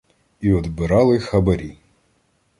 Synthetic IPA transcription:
iɔd̪bɪɾɑlˠɪxɐbɐɾʲi

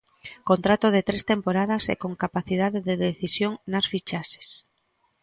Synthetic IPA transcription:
kont̪ɾat̪oðet̪ɾest̪empoɾað̞ɐsḛkoŋkapaθiðaðeðeðeθisjoŋnasfit͡ʃaʃe̥s

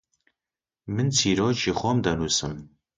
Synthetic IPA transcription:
mɨnt͡sʰiːɾɔːt͡ʃixʷɔmd̪ɐnuːsɨm

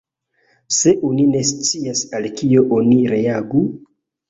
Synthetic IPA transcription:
se̞ʔonine̞st͡siasalkio̞ʔoniɾe̞aɡu

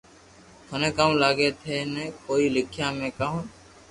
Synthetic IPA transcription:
t̪ʰonẽːkãːmlaːɡeːt̪ʰeːneːkoːiːlɪkʰjãːmẽːkəɦõː

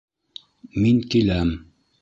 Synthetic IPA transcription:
miŋkilæm

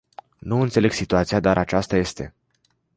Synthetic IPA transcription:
nuɨnt̪sele̞ɡ̥sit̪uat̪sijad̪aɾʔat͡ʃast̪aje̞st̪e̞

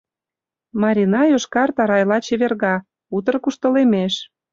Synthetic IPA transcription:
mɑɾʲinɑjoʃkɑrt̪ɑɾɑjlɑt͡ɕeβerɣɑ | ut̪ə̆rkuʃt̪ə̆lemeʃ

